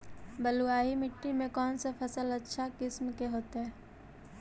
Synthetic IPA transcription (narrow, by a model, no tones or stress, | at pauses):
bəluaːɦimɪʈːimẽkɔːnsapʰɐsəlɐtːʃʰakɪsmkeɦoːt̪aɦɛː